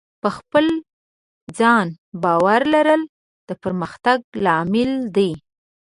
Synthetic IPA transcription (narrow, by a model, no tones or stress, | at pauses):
pəxpəl | d͡zɑn | bɑwaɾlaɾəl | d̪̥əpəɾməxt̪aɡ̚lɑmɪld̪aj